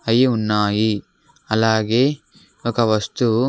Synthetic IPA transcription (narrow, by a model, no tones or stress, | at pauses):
ɐjiunːaːji | ɐlaːɡe̞ː | ɔkɐʋɐst̪u